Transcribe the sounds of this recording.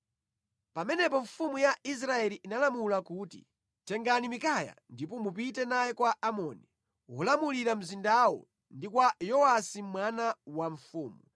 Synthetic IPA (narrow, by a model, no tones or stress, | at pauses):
pamɛnɛpɔɱfumujaʔis̬ɾaɛliʔːnalamulakuːtḭ | tɛŋɡanimikaja̰ndipɔmup̬itɛnajɛkwaʔamɔːni | ɦulamuliɾam̩zindawɔ̰ | ndikwajɔasimwanawaɱfuːmu